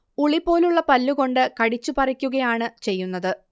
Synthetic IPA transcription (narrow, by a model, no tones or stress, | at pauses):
uɭipːo̞ːluɭːɐpɐlːuɣo̞ɳɖɨkɐɽit͡ɕːupɐrɐkʲːuɣɐjaːɳɨt͡ɕe̞jːunːɐðɨ